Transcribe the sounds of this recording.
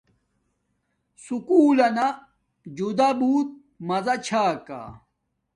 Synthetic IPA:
sukuːlɐna | d͡ʑud̪abuːt̪̚ | mɐzɐt͡ɕʰaːka̰

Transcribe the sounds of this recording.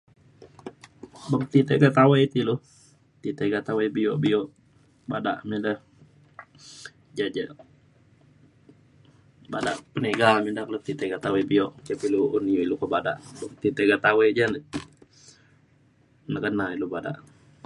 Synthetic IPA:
bəkt̪it̪ɛʔɡat̪awet̪ilu | t̪it̪əɡat̪awebijɔʔbijɔʔ | badaʔmindəh | d͡ʒad͡ʒə | badaʔpəneɡamidaʔlut̪it̪eɡat̪awebiɔʔt͡ʃapiluunijuilukɔbada̰ʔbəkt̪it̪ɛʔɡat̪awed͡ʒanə | nəkənailubada̰ʔ

